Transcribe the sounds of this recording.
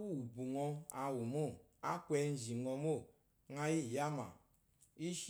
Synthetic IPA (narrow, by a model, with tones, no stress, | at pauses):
wu˦u˨bu˨ŋɔ˦a˨wu˨mo˦˨ | a̰˦kʷɛ˨˦n̩˦zi˨ŋɔ˨mo˦˨ | ŋa˦ji˦˨ja˦ma̰˨ | i˦ʃ